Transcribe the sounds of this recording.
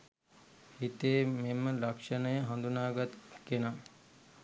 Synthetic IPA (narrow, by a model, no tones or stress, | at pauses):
hit̪eːmeməlɐkʂənəjəɦɐnd̪unaːɡat̪ɛ̥kena